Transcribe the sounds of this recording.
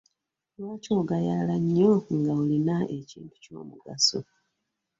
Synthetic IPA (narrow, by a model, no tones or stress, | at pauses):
waːco̞ːɡajalaɲːoŋɡaulinaʔe̞cḭːntu̥co̞̰ːmuɡaso̰